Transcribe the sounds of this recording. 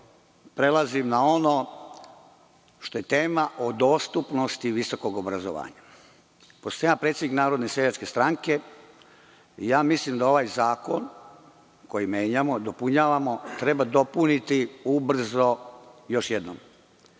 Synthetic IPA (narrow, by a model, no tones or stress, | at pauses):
pɾe̞lˠazimnao̞no | ʃt̪o̞je̞t̪eːmaʔod̪o̞ːst̪upno̞st̪iʋiso̞ko̞ɡobɾazo̰ʋa̰ːɲa | post̪ojapɾet̪sʲed̪iknaːɾo̞d̪nesejat͡ʃke̞st̪ɾaŋke̞ | ijaːmislimd̪ao̞ʋaːjzaːko̞n | ko̞jimeːɲamod̪o̞puɲaːʋamo̞t̪ɾe̞bad̪o̞punit̪iubr̩zo̞jo̞ʃjed̪no̰m